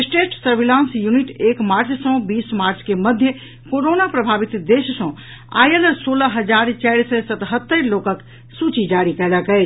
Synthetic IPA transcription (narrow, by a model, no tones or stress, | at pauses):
sʈeʈsəɾbilãnsjuniʈekmaɾt͡ʃsə̃bismaɾt͡ʃkeməd̪ʱjə | koɾonapɾəbʱabit̪d̪eʃsə̃ | a̰jələsoləɦəd͡ʒaɾt͡ʃaɾsəsət̪ɦət̪ːəɾlokək | sut͡ʃid͡ʒaɾikɛləkɛt͡ʃ